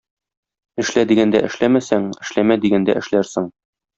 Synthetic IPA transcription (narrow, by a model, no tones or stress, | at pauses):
ɘ̆ʃlæd̪iɡænd̪æ̰ʔɘ̆ʃlæmæsæŋɘ̆ʃlæmæd̪iɡænd̪æ̰ʔɘ̆ʃlæɾsɤŋ